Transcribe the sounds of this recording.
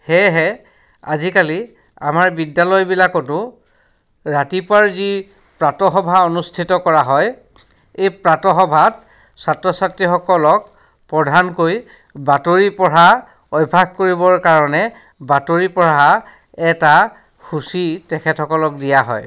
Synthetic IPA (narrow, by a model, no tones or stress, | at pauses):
hɛɦɛ | a̰zikali | a̰maɹbidːalɔjbilakɔtʊ | ɹatipwaɹzi | pɹatɔɦɔbʱaonustʰitɔkɔɹaɦɔj | ejpɹatɔxɔbʱat | satɹɔsatɹixɔkɔlɔk̚ | pɹɔdʱankoj | batoɹipɔɹa | ɔjbʱaɡ̚koɹibɔɹkaɹɔnɛ | batoɹipɔɹaa | ɛta | xusitɛkʰɛtʰɔkɔlɔk̚dijaɦɔ̰j